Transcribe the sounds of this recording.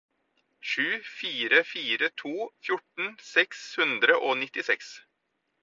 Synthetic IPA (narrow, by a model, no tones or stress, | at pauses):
ʃʉːfiːɾəfiːɾət̪ʰuːfjʊʈɳ̩sɛkshʉnd̪ɾəʔoːnɪt̪ɪsɛks